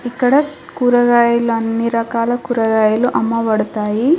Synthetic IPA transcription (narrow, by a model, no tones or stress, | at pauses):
ikːɐɽɐ | kuɾɐɡaːjɐluɐnːiɾɐkaːlɐkuːɾɐɡaːjɐluʔɐmːɐʋɐɽut̪aːji